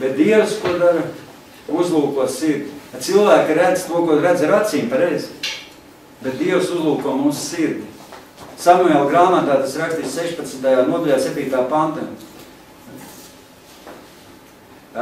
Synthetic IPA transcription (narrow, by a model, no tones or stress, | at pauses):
bet̪̚d̪iɛwskuɔd̪aɾ | uzlˠuːkuɔsiɾd̪ʲiat̪silˠvæːkiɾæd̪zt̪uɔkuɔɾæd̪zɾat̪siːmpaɾɛjz | bet̪̚d̪iɛwsuzlˠuːkuɔmuːssiɾd̪ʲi | samujalˠɡɾaːmat̪aːt̪asɾakst̪iːsseʃpat̪smt̪ajaːnuɔd̪alʲaːsʲep̪ʲiːt̪aːpant̪a